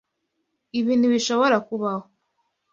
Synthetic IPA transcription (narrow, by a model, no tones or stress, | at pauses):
iβinuβiʃo̞βoɾakuβaho